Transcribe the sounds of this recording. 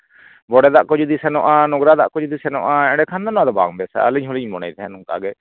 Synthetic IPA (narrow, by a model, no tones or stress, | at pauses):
bɔɽɛd̪aʔkɔd͡ʒud̪isɛnɔʔanɔɡɾad̪aʔkɔd͡ʒud̪isɛnɔʔaɛ̃ɽɖɛkʰand̪ɔnɔ̃ãd̪ɔba̰ŋbɛsa̰aliɲɦɔliɲmɔna̰jd̪ɛɦɛnuŋka̰ɡɛ